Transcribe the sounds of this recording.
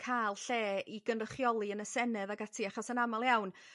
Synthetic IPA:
kʰajlˠɬeːiɡənrəχjɔlˠiənəsɛnɨðaɡatʰiaχɔsənamalˠjawn

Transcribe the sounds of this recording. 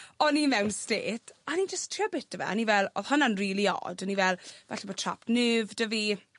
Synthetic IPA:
ɔnimɛwnsteːtʰanid͡ʒəstʰriɔbɪtəvɛ̰anivɛlˠo̰ðhʊnanriːlˠiɔ̰dənivɛlˠvaɬɛbɔtʰra̰pnɨːvdəvi

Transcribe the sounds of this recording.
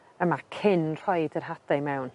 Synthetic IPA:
əmakʰɪnr̥ɔjdərɦad̥ajmɛwn

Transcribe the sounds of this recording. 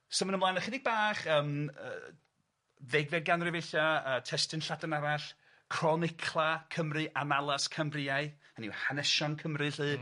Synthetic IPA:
sɔmənəmlˠaːnaχɪdɪɡ̚baːχəːmə̰ː | ðɛɡvɛdɡanrɨveɬaəːtʰɛstɨnɬadanaɾaɬ | kʰrɔnɪkʰlˠakʰəmrɨʔanalˠaskʰəmriaɨ | anḭwhanɛʃɔnkʰəmrɨɬɨː

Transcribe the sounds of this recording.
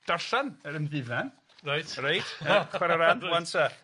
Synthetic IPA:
d̥arɬanəɾənðɪvɛn | rajtrajtʰəχwɛɾaɾanwantʰa

